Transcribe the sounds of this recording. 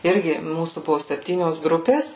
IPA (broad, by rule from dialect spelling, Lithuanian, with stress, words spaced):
ˈɪrʲɡʲɪ ˈmuːsuː ˈbʊʋoː sʲɛpʲˈtʲiːnʲoːs ˈɡrʊpʲeːs